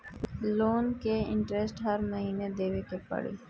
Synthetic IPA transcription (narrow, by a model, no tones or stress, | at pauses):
loːnkeɪ̰̃ɳʈɾesʈɦɐɾmɐɦiːned̪eːʋekepɐ̰ɽḭː